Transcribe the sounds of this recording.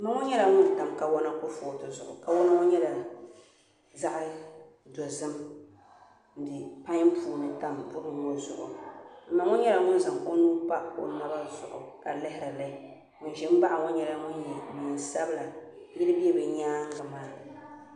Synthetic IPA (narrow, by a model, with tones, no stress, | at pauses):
mɨ˦ŋʊ˦ɲɛ˦la˨ŋʊ˦n˨ta˨mka˨wɔ˦na˦kʊ˦foː˨tʊ˨zʊ̰˨ʔʊ̰˨ka˨wɔ˦na˦ŋʊ˦ɲɛ˦la˨ | za˦ʔa˦ | do˨zɨ˦m | n̩˨dɨ˨pa˦ɲ˦mpʰuː˨nɨ˨ta˨mbʊ˦ɾɨ˨ŋo˨zʊ̰˨ʔʊ̰˨m̩˨˦ma˨ŋʊ˦ɲɛ˦la˨ŋʊ˦n˦za˨ŋko˦nuː˦pa˦ʔko̰˨na˦ba˦zʊ̰˨ʔʊ̰˨ka˨lɛ˦hɪ˦ɾa˨la˨i˨ | ŋʊ˨n˦ʒɪ˦m˦ba˦ʔa˨ŋʊ˦ɲɛ˨la˨ŋʊ˦njɛ˨mi˨n˨sa˦bɨ˦la˨ | jɪ˦lɨ˦bi˦ɛ˦bɛ˨ɲaː˦ŋ˦ɡa˨maː˦